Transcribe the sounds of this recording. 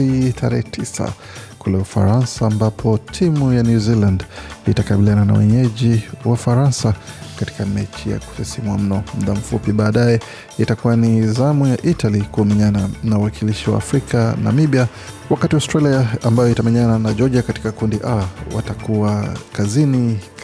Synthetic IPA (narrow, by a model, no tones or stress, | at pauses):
itʰaɾɛ̰hɛtʰisa̰ | kulɛufa̰ɾansaːmbapʰɔtʰimujanjuzilanditakaɓilianana̰wɛ̰ɲɛʄiwaufaɾansakati̥kamɛt͡ʃija̰ku̥sɛsimwam̩nɔm̩ðam̩fupiɓaːɗajɛ | itakuwanizamujaʔitalikumɛɲananawakʰiliʃiwa̰ːfɾikana̰miɓia | wakatiastɾaliaːmbajɔitamɛɲananaʄɔʄiakati̥kakundiʔawa̰takuakazini